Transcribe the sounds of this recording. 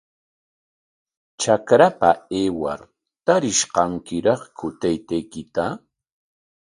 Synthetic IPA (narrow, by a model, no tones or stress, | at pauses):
t͡ʃakɾapaeːwa̰ɾ | t̪aɾɪʃqɑŋkɪɾɑχkʰʊt̪ajt̪ajkɪt̪a